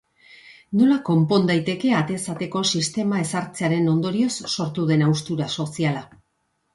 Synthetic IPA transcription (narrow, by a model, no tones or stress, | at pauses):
no̞lako̞mpo̞nd̪ajt̪e̞ke̞at̪e̞sat̪e̞ko̞sist̪e̞mae̞saɾt͡se̞aɾe̞no̞nd̪o̞ɾio̞sːo̞ɾt̪uðe̞nawst̪uɾaso̞siala